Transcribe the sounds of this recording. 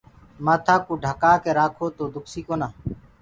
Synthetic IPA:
maːt̪ʰaːkũːɖʱaːkaːkeːɾaːkʰoːt̪oːd̪ʊksiːkoːnaː

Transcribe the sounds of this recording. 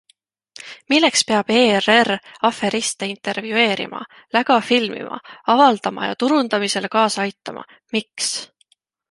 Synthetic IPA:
milːe̞kspeɑb̥eːrerɑfe̞ɾist̪eint̪ˑe̞rvjue̞ːɾḭmɑ̰ | læɡ̥ɑfilmḭmʔɑ̰ɑvɑld̪̥ɑmɑ̰jɑ̰t̪uɾund̪̥ɑmise̞lekɑːsɑjt̪ːˑɑmʔɑ̰ | miks

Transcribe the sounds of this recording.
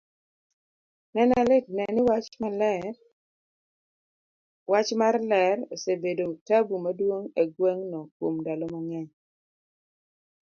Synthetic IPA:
nɛnalɪt̚nɛnɪwat͡ʃmalɛ | wat͡ʃmarlɛrosebedotabumadwoŋeɡweŋnɔkwomdalɔmaŋɛɲ

